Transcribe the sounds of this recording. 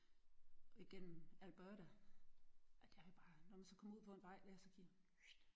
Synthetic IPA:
ɒ̽iɡ̥en̰m̩ælb̥œɾ̥æ | ʔæd̥eʋib̥ɑ̈ːnɒmænsɒ̽kʰɒ̽muð̰ˠpʰɒ̽enʋɑ̈ɪ̰d̥æɐsɒkʰi | d̥

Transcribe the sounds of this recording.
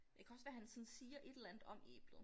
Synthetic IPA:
jɑkʰæɒ̽sʋæhænsɒn̩siːɐʔe̝d̥elænð̩ˠɒ̽mḛːb̥lð̩ˠ

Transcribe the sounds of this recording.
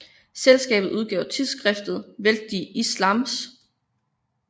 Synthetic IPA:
selsɡ̥ɛ̰ːb̥ð̩ˠuð̞ˠɡ̥ɛ̰ʊt͡sʰiðˠsɡ̥ʁɛfd̥ð̞̩ˠʋeld̥iʔislɑ̈ms

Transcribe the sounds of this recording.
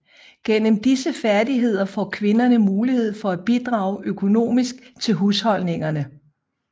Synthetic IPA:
ɡ̥en̰əmd̥isəfæɐdiɦe̝ð̞̰ˠɐfɒ̰ːkʰʋe̝nɐnəmuːlihe̝ð̞̰ˠfɒ̽æb̥id̥ʁɑ̈ːʊʔøkʰo̝no̝̰ːmisɡ̥̚t͡sʰe̝lɦushɒ̽l̰ne̝ŋɐnə

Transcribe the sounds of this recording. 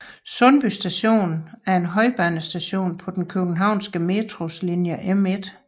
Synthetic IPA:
sɔ̽nb̥ysd̥æɕo̝̰ːnn̩æɐe̝nɦɒ̽ɪb̥ænəsd̥æɕo̝̰ːnpʰɒ̽d̥enkʰøɡ̥n̩ɦɑ̈ʊ̰nsɡ̥əme̝ːd̥ʰʁo̝slinjəʔemed̥

